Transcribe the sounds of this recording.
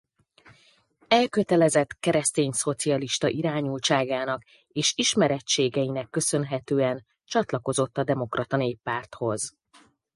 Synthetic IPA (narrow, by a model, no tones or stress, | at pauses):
ɛlkø̞t̪ɛlɛzɛt̪kɛɾɛst̪eːɲso̞t̪siɒliʃt̪ɒʔiɾaːɲult͡ʃaːɡaːnɒk | eːʃiʃmɛɾɛt͡ʃeːɡɛjinɛkːø̞sø̞nɦɛt̪øːɛn | t͡ʃɒt̪lɒko̞zo̞t̪ːɒd̪ɛmo̞krɒt̪ɒneːpːaːrt̪ho̞z